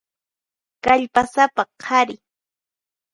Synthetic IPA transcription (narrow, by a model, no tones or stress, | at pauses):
kaʎpasapaqʰɑɾɪ